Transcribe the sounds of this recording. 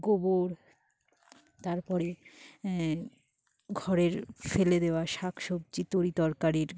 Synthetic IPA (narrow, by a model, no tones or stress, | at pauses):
ɡoboɾ | t̪aɾpɔɾe | ɡʱɔɾeɾfeled̪eoaʃakʰʃob̚t͡ɕit̪oɾit̪ɔɾkaɾiɾ